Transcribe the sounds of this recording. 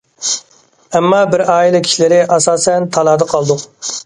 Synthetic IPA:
ɛmːɑbɪɾɑːilˠɛkʲʰi̥ʃlɪɾɪʔɑsɑːsɛnt̪ʰɑlˠɑːd̪ɑqʰɑlˠd̪ʊq

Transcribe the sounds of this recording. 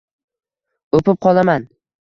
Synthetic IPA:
opɪp̚qʰɒlˠaman

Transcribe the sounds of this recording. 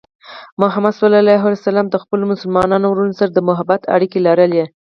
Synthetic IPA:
mʊɦamad̪swalɑlajɦwalasalɑmd̪əxpəlomʊsʊlmɑnɑnowɾunosaɾad̪əmʊɦabat̪ʰa̰ɽikelɑɾəlje

